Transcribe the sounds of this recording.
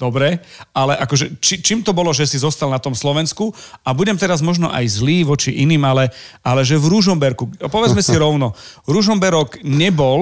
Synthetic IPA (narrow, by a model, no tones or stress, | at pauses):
d̪̥ɔbɾɛalɛʔakɔʒɛt͡ʃit͡ʃiːmt̪ɔbɔlɔʒɛsizɔst̪alnat̪ɔmslɔʋɛnskuabuɟɛmt̪ɛɾazmɔʒnɔʔa̰jzliːʋɔt͡ʃiʔiniːmalɛʔalɛʒɛvɾuʒɔmbɛɾkupɔʋɛd͡zmɛsiɾɔʊnɔɾuʒɔmbɛɾɔɡɲɛbɔl